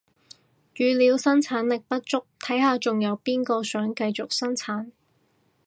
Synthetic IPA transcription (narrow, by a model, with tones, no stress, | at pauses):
jyː˨liː˨˧wsɐ˥nt͡sʰaː˨˥nlɪ˨k̚pɐ˥t̚t͡ʃʊ˥k̚t̪ʰɐ˨˥jhaː˨˧t͡ʃʊ˨ŋjɐ˨˧wpiː˥nkɔː˧sœː˨˥ŋkɐ˧jt͡sʊ˨k̚sɐ˥nt͡sʰaː˨˥n